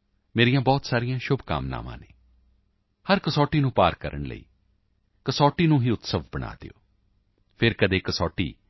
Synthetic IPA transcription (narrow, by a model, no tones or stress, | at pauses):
meːɾijãːbɔːt̪saːɾijãːʃʊbka̰ːmna̰ːmã̰ːneː | həɾkəsɔːʈiːnũːpaːɾkəɾʔəɳlə̰ḭː | kəsɔːʈiːnũːɦiːʊt̪səʋbəɽa̰ːd̪ḛo̰ː | pʰɪɾkəd̪eːkəsɔːʈḭː